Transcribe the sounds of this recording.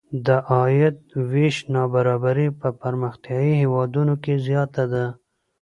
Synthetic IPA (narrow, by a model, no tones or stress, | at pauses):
d̪əʔɑjɪt̪̚wiʃnɑbaɾɑbaɾipəpaɾməxt̪jɑihewɑd̪unokezjɑt̪ad̪a